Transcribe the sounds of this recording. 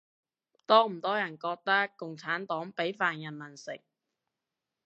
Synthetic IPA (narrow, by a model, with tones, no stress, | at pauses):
t̪ɔː˥m̩˨˩t̪ɔː˥jɐ˨˩nkɔː˧k̚t̪ɐ˥kːʊ˨˩ŋt͡sʰaː˨˥nt̪ɔː˨˥ŋpe˨˥jfaː˨˩njɐ˨˩nmɐ˨˩nsɪ̰˨k̚